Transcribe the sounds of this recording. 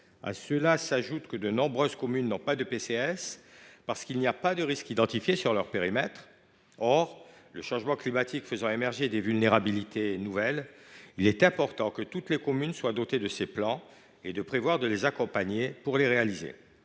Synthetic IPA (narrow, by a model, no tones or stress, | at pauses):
a̰səlasaʒut̪kəd̪ənɔ̃bʁøzkɔmynːɔ̃pad̪əpeseɛspaʁsə̥kilniapad̪əʁiskid̪ɑ̃t̪ifjesyʁlœʁpeʁimɛt̪χ | ɔʁləʃɑ̃ʒmɑ̃klimat̪ʰikfəzɑ̃emɛʁʒed̪evylneʁabilit̪ʰenuvɛlilɛt̪ɛ̃pɔʁt̪ɑ̃kət̪ut̪lekɔmynswad̪ot̪ed̪əseplɑ̃ | ed̪əpχevwaʁd̪əlezakɔ̃paɲepuʁleʁealizḛ